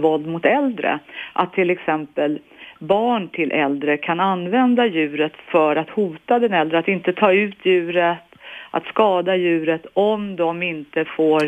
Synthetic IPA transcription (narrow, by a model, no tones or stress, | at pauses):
vɔld̪mʊt̪ɛld̪ɾə̰ʔat̪ʰːɪlːɛksɛmpəlbɑːɳʈʰɪlʔɛld̪ɾəkʰananːvɛnd̪ajʉ̟ːɾət̪fœɾat̪huːt̪ad̪ɛnɛld̪ɾəat̪ɪnt̪ət̪ʰɑːʉ̟ːt̪ʰjʉ̟ːɾət̪ʔa̰t̪skɑːd̪ajʉ̟ːɾət̪ɔmd̪ɔmɪnt̪əfoːɾ